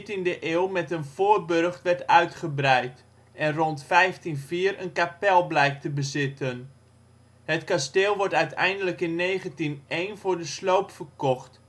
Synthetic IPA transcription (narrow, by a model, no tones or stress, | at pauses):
tindəʔeːlˠmɛtənv̥oːrbørχtʋɛɹtœɥtχəbrɛjt | ʔɛnrɔntfɛjftinviːəɾənkapɛlˠblɛjk̚təbəzɪtən | hətkasteːlˠʋɔɹtœɥtɛ̰jndələkɪnːeːχəntinejnvʊːɹdəslowpfərkɔχt